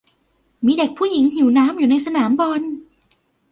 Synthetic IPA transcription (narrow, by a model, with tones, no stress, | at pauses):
miː˧de˨˩k̚pʰuː˥˩ji˩˦ŋɦi˨˩˦wnaː˦˥mjuː˨˩na˧jsa˧naː˩˦mbɔ˧n